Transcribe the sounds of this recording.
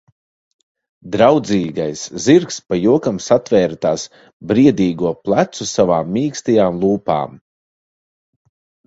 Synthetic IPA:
d̪ɾawd̪ziːɡajsziɾkspajuɔkamsat̪vɛːɾt̪aːs | bɾiɛd̪ʲiːɡuɔplˠat̪susavaːmːiːkst̪ijaːmlˠuːpa̰ːm

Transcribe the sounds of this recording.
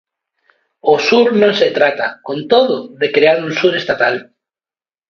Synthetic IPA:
osuɾnõŋset̪ɾat̪akõnt̪oðʊðekɾeaɾunsuɾest̪at̪al

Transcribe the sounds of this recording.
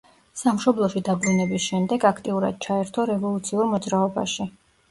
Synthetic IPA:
samʃɔblˠɔʃid̪abɾunɛbisʃɛmd̪ɛɡakʰt̪ʼiuɾa̰d̪̥̚t͡ʃʰaɛɾt̪ʰɔɾɛvɔlˠut̪sʰiuɾmɔd̪zɾaɔba̰ʃi

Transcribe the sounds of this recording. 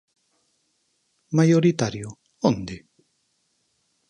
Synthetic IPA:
majoɾit̪aɾjo | ond̪i

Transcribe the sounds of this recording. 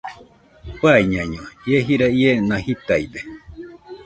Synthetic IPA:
paiɲãɲõjeɦiɾaienãhit̪aibe

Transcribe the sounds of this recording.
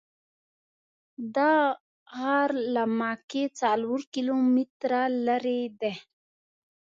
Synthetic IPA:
d̪a | haɾlamaket͡salwuɾkilomit̪ɾalaɾed̪e

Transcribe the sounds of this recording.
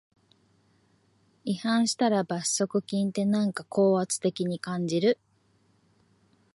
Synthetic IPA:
ihãɰ̃ɕi̥t̪aɾabaso̞kɯ̟kʲĩnt̪e̞nãŋkako̞ːβat͡sɨ̥t̪e̞kʲiɲ̟ikãɲ̟d͡ʑiɾɯ̟

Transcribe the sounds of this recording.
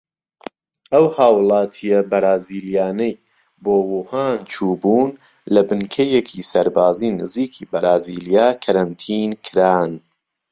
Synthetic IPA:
ʔɐwhaːwlˠɑːt̪ʰijɐbɐɾaːziːlijaːnɐj | boːwuhaːnt͡ʃʰuːbuːn | lɐbɨnkʰɐjekʰisɐɾbaːziːnɨziːkʰiːbɐɾaːziːlijaːkʰɐɾɐnt̪ʰiːnkʰɨɾaːn

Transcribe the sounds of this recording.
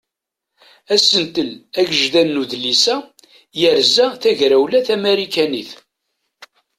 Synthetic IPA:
æsənt̪əlæɡəʒðænːuðlisæ | jəɾzæθæʝɾæwlæθæmeɾikæniθ

